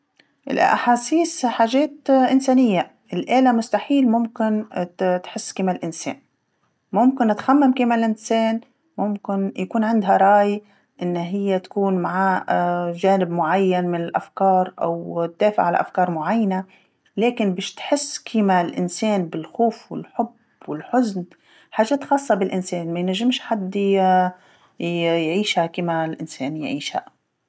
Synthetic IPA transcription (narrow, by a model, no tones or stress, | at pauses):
ʔɪ̰lʔʔa̰ħaːsiːsħaːʒeːt̪ʔɪnseːnɪjːa | ʔɪlʔeːlamʊst̪aħiːlmʊmkɪnt̪ħɪsːkiːmalʔɪnsḛːn | mʊmkɪnʔɪt̪xamːamkiːmalʔɪnseːn | mʊmkɪnjakuːnʕɪnd̪ɦaɾˤɑːj | ʔɪnːɦɪjːat̪ḁkuːnmaʕaʒaːnɪbmʊʕajːanmɪnɪlʔafkɑːɾˤʔa̰wt̪̚ːeːfɪ̰ʕala̰ʔa̰fkɑːɾˤmʊʕajːana | leːkɪnbeːʃt̪ħɪsːkʰiːmalʔɪ̰nseːnbɪlxuːfwɪ̰lħʊb | wɪlħʊzn | ħaːʒːeːt̪xɑːsˤːɑbɪlʔɪnseːnmajnaʒːɪmʃħad̪ː | jʕiːʃhakiːmalʔɪnseːnjʕiːʃha̰